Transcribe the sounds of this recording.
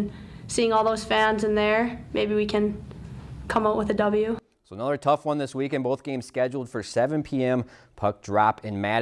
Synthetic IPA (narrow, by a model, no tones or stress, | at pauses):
nsiɪ̃ŋɔlˠðoʊz̥fæ̃nzɨ̃nðə˞meɪbiwikʰɨ̃n | kʰʌ̃maʊʔwəðɨdʌbl̩ˠjʉ | soʊənʌðə˞tʰʌfwʌ̃nðɪswikɨ̃nboʊθɡ̥ẽɪ̃mz̥skɛd͡ʒl̩ˠd̥fə˞sɛvɨ̃npʰiɛ̃m | pʰʌk̚d̥ɹɑpɨ̃nmæɾ